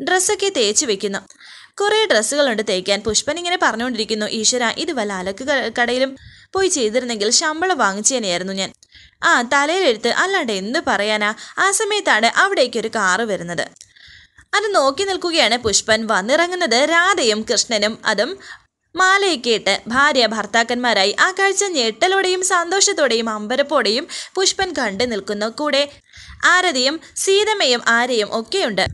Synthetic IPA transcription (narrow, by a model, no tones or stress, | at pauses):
ɖresːo̞kːe̞t̪e̞ːt͡ɕːuʋe̞kʲːunːu | kureɖresːuɣɐɭuɳɖɨt̪e̞ːkʲːaːnpuʂpɐniŋːɐne̞pɐrɐɲːuko̞ɳɖiɾikʲːunːuʔiːʂʋɐɾaːʔiðɨʋɐlaːlo̞kːɨkɐɽɐjilum | po̞ːjit͡ɕe̞jt̪iɾunːe̞ŋɡilɕɐmbɐɭɐʋaːŋːit͡ɕːijaːnjaːjiɾunːuɲaːn | aːt̪ɐlɐjile̞ɽut̪ːɨʔɐlːaːɖeinːɨpɐrɐjaːnaːaːsɐmɐjɐt̪ːaːɽɨʔɐʋiɽe̞ːkːo̞ɾukaːrɨʋɐɾunːɐðɨ̰ | ɐðɨno̞ːkːinilkuɣɐjaːɳɨpuʂpɐnʋɐnːirɐŋːunːɐðɨɾaːd̪ɐjumkrɨʂɳɐnumɐ̰ðumː | aːlɐjkːijiʈːɨbʱaːɾjɐbʱɐrt̪aːkːɐnmaːɾaːjiʔaːkːaːɻit͡ɕːɐɲeʈːɐloːɽejumsɐnd̪oːʂɐt̪ːoːɽejumɐmbɐɾɐpːo̞ːɽe̞jumpuʂpɐnkɐɳɖɨnilkunːɐkːuːɽe̞ | aːɾɐðɐjumsiːðɐmejumʔaːɾɐjumʔo̞kːe̞juɳɖɨ